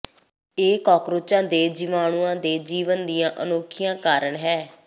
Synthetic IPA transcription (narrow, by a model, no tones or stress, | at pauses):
eːkɔːkɾʊt͡ʃãːd̪eːd͡ʒɪmaːɳ̃uːãːd̪eːd͡ʒiːʋənd̪ijãːʔənoːkʰɪjãːkaːɾəɳɦɛː